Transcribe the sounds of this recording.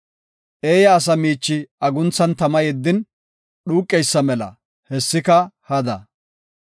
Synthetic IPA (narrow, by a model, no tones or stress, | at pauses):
ʔe̞ːjɐːs̬ɐmiːt͡ʃːɪɐɡʊnt͡sːɐnt̪ɐmɐjɛd̪ːɪn | ɗuːkʼːɛjsːɐmɛlɐ̰ | hɛsːɪkɐhɐd̪ɐ